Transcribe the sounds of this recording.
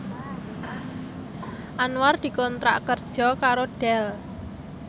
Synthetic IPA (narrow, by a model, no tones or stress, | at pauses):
ʔanward̪̥i̤kɔnt̪ɾa̰ʔkərd̥ʒ̥ɔ̤kaɾoɖ̥ɛl